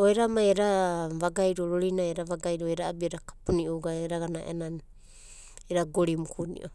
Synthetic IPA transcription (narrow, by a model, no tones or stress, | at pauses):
oeɾamajeɾaβaɡajɾoɾoɾinajeɾaβaɡajɾoeɾaabieɾakḁpuniowɡaeɾaɡanaʔḛnan | eɾaɡoɾimukʰunḭʔo